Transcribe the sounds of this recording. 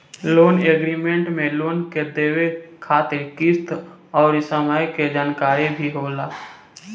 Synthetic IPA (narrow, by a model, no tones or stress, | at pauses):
loːneːɡɾiːmẽɳʈmẽloːnked̪eːwekʰaːt̪ɪɾkɪst̪ʰɔːɾɪsəmajked͡ʒaːnkaːɾibʱiɦoːlaː